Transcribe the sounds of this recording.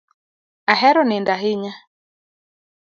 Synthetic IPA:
aɦɛɾɔnɪndaɦɪɲa

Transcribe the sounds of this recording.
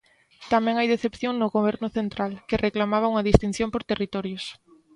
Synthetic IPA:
t̪amɛ̃ŋajðeθepθjoŋnʊɣoβɛɾnʊθent̪ɾalkɪrʔeklamaβ̞auŋɐðist̪in̟θjõmpoɾt̪erit̪ɔɾjʊs

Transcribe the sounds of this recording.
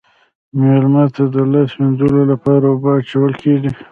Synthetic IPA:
melmɑt̪ad̪əlasmend̪əlolapɑɾawobɑːt͡ʃawəlkʰeʐi

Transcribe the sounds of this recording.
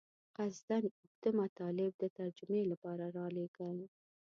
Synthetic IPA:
qazd̪anʊkd̪əmat̪ɑlɪb̚d̪ət̪aɾd͡ʒʊmelapɑɾaɾɑleɡəl

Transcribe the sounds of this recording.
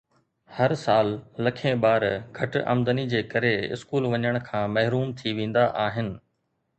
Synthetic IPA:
hɐɾsaːlːɐkʰẽɓaːɾɡʱɐʈʔɐ̰md̪ənid͡ʑeːkɐɾeɪ̰skuːlʋɐɲəɽ̃kʰãːmɐɦɪɾuːmt̪ʰiʋẽːn̆d̪aʔaːɦɪnɪ̆

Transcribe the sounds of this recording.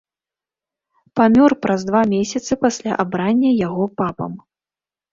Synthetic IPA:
pamʲɔrpɾʔɐzd̪vamʲesʲɐt̪sɨpasʲlʲa̰ʔabɾanʲːɐjaɣɔpapɐ̰m

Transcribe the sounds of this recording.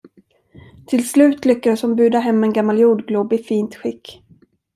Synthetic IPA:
t̪ʰɪlslʉ̟ːt̪lʏkːad̪əsɔmbʉ̟ːd̪aɦɛmːɛnɡamːaljuːɖɡlubɪfiːnt̪ɧɪkː

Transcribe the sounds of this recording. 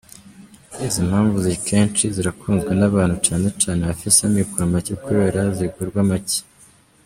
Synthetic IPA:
izim̥haːɱvuzikʰe̞ːnt͡ʃiziɾakʰuːnzɡenaβaːn̥hut͡ʃaːne̞t͡ʃaːneβafisamikuɾamacekuβe̞ːɾaziɡuɾɡwamace̥

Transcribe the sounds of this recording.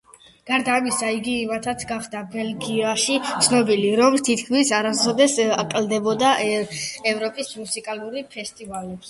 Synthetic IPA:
ɡ̥aɾd̪aːmisaiɡimat̪ʰat̪sʰɡaχd̪abɛlɡiaʃit̪sʰnɔbiliɾɔmt̪ʰit̪kʰmisaɾazɔd̪ɛsakʼld̪ɛbɔd̪a | ɛvɾɔpʼismusikʼalˠuɾipʰɛst̪ʼivali

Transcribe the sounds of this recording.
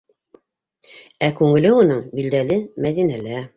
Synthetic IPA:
ækʉŋɘ̆lɘunɤɴbild̪ælɘmæðinælæ

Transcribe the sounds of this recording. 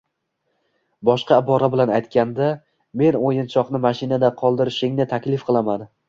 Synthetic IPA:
bɒʃqɑːbɒɾabɪlanajt̪kʲand̪a | me̞nojɪnt͡ʃʰɒqnɪmaʃɪnad̪aqʰɒlˠd̪ɪɾɪʃɪŋnɪt̪ʰakʲlɪfqʰɨlˠaman

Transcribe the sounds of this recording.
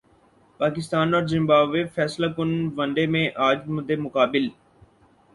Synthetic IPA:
paːkɪst̪aːnɔːɾzɪ̃mbaːʋefɛːslaːkʊnʋə̃ɳɖeːmẽʔaːd͡ʒmʊd̪ʱːeːmʊkaːbɪl

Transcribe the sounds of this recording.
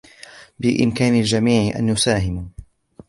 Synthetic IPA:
bɪʔɪ̰mkaːnald͡ʒamiːʕɪʔa̰nːʊsaːɦɪm

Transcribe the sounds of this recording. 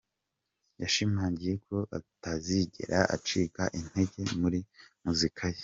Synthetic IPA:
jaʃimaːɲɟije̞kʰo̞ʔa̰taziɟe̞̰ɾaʔa̰t͡ʃiːkaʔin̥he̞ɟe̞muɾimuzikʰaje

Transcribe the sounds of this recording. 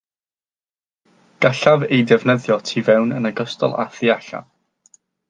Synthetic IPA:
ɡ̥aɬavejdɛvnəðjɔtʰivɛwnənaɡɔstɔ̰lˠa̰θiaɬa̰

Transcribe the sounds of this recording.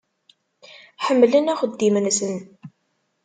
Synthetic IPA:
ħəmːlənæχəd̪ːimənsən

